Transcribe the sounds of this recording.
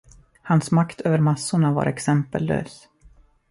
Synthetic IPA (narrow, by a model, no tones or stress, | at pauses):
hansmakt̪ʰøːvəɾmasːʊɳava̰ɾʔɛksɛmpəlvø̰ːs